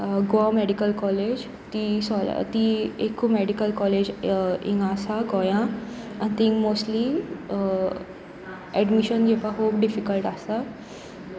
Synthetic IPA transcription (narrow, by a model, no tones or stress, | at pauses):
ɡoamɛɖikəlkɔled͡ʑ | t̪isɔl̰t̪iekʰumɛɽikəlkɔled͡ʑḭ̃ŋɡasaɡɔjã | ãnt̪ĩŋɡmoːsʈli | ɛɖmiɕənɡepãɦoːbɖifikəlʈasa